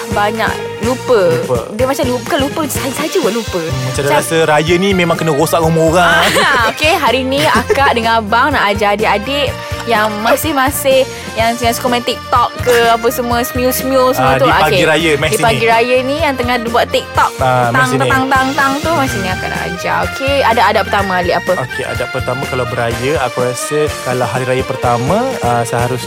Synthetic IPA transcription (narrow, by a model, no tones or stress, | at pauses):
baɲa̰ʔ | lupəədəmat͡ʃamlupkalupəsad͡ʒsad͡ʒəwəlupəmat͡ʃadaɾasəɾajənimemãŋkənəɣosaʔumoɣaokeɦaɾiniakaʔdəŋãbaŋnaʔad͡ʒaadɪʔadɪʔ | jaŋmasɪhmasɪh | jaŋsəŋaskomɛ̃nt̪ik̚t̪ɔkːəap̬əsəmuəsəmiulsmiulsəmuəd̪ulaoakeɡiɾajəmɛsdipaɡiɾajənijaŋt̪əŋahdibuaʔt̪ik̚t̪ɔk̚amasŋt̪aaŋt̪aŋt̪aŋt̪umasɪhnĩaka̰ʔna̰ʔa̰d͡ʒa̰okʰeadaʔadaʔpərt̪amãaliʔapəokea̰daʔpərt̪amãkalawbəɾajəakaɾasəkalawɦaɾiɾajəpərt̪amãəsəɦaɾʊs